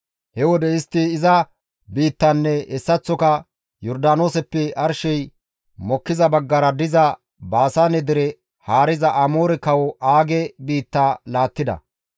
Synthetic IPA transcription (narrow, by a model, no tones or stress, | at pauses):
hɛwɔd̪ɛɪst̪ːɪɪzɐ | biːt̪ːɐnːɛɛsːɐt͡sːɔkɐ | jɔɾd̪aːno̞ːsɛpːɛɐɾʃɛj | mɔkːɪzɐbɐɡːɐɾɐd̪ɪzɐ | baːsanɛd̪ɪɾɛ | haːɾɪzɐʔɐmo̞ːɾɛkɐwɔaːɡɛbiːt̪ːaːlaːt̪ːɪd̪ɐ̰